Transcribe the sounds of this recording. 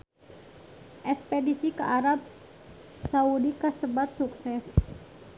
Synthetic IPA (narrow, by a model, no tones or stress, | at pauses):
ʔɛspedisikəʔaɾab̚ | saudikəsəbat̪̚suksɛs